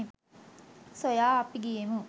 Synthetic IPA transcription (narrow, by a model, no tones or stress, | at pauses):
sojaːɐpiɡijemu